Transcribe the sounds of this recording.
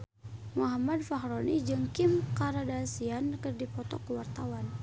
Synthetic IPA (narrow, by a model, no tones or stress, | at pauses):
muɦamadfaɦɾɔnid͡ʒəŋkimkaɾadasiankərdipɔt̪ɔ̰kəwart̪awan